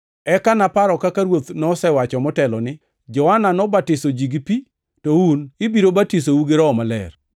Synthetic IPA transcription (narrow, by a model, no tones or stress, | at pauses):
ɛkanapaɾɔkakaɾwot̪nɔsɛwat͡ʃɔmɔtɛlɔnɪ | d͡ʒɔwananɔbatɪsod͡ʒiɡipi | tɔunɪbiɾobatis̬ouɡeɾɔːmalɛ̰r